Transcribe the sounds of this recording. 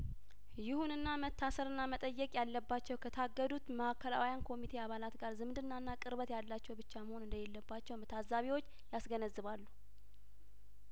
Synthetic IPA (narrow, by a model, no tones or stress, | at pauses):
jɪhunɨnːamət̪ʰːasəɾɨnːamət̪ʼəjːɛkʼjalːəbːat͡ʃːɛwkʰət̪ʰaɡːəd̪ut̪məhakʰːəla̰wijankʰo̞mit̪ʰeaβalat̪ɡaɾzɨmd̪ɨnːaɨnːakʼɨɾβət̪jalːat͡ʃːɛwbɨt͡ʃːaməho̞nɨnd̪əjɛlːəbːat͡ʃːɛwmət̪ʰazaβiwo̞t͡ʃː | jasɡənəzːɨβalːu